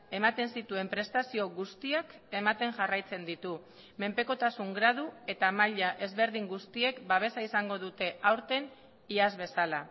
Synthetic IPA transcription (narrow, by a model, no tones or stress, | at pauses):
e̞mat̪e̞nsit̪ue̞mpɾe̞st̪asio̞ɣust̪iake̞mat̪e̞ŋʝarajt͡se̞nd̪it̪u | me̞mpe̞ko̞t̪asuŋɡɾað̞ue̞t̪amaʎaʔe̞zβe̞ɾðiŋɡust̪ie̞kbaβ̞e̞saisaŋɡo̞ð̞ut̪e̞ʔawɾt̪e̞n | iazβe̞sala